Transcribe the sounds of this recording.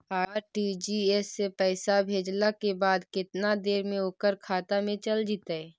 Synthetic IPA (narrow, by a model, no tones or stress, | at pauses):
aːɾʈiːd͡ʒiesːepɛːsabʱeːd͡ʒlakebaːd̪kɪt̪nad̪eːɾmẽoːkəɾkʰaːt̪amẽt͡ʃəld͡ʒit̪aɛː